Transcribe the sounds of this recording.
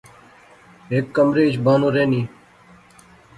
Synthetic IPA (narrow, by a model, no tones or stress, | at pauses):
ɦeːkːəmɾeːt͡ʃbaːnõːɾeːniː